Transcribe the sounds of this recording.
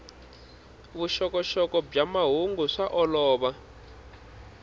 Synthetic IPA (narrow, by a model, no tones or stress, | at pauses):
βuʃɔkɔʃɔkɔbb͡ʐamaɦuŋɡuʂaʔɔlɔːβa